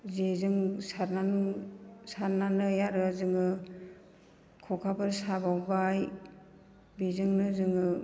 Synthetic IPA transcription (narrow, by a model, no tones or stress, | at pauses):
zezɯŋsaɾnanɯsaɾnanɯjaɾɯzɯŋɯ | kʰɔkʰabɯɾsabawbaj | bizɯŋnɯzɯŋɯ